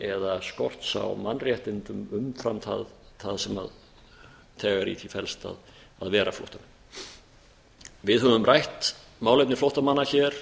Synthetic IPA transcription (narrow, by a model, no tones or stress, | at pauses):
ɛðaskɔr̥t̪sa̰wmanːrjɛht̪ɪnt̪ʏmʏmfɾamt̪ʰa̰ð | θʰaðsɛma̰ð | t̪ʰɛːɣaɾḭːt̪ʰifɛlst̪a̰ð | aðvɛːɾaflo̰ht̪anʏ | vɪðɦœvʏmrajht̪ | maːwlejp̪̚nɪɾflɔwht̪amanːaçɛɾ̥